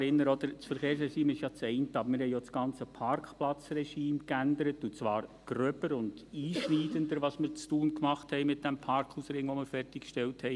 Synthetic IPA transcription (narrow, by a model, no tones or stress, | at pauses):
ɪnːəɾɔd̥̪əɾsfəɾχeːɾs̬rɛʃiːmɪʃjɑt͡sɛɪntəɑb̥əɾmɪɾhɛɪjɔsɡ̥ɑnt͡səpʰɑɾkχplɑt͡srɛʃiːmkændəɾətut͡sʋɑːɾɡ̥ɾœbəɾʊnd̥iːʃniːdəndəɾʋɑsmɪɾt͡stuːnkmɑχthɛɪmɪt̚d̥ɛmpʰɑɾkχusɾɪŋʋɔmɪɾfɛrtɪkkʃtɛlthɛɪ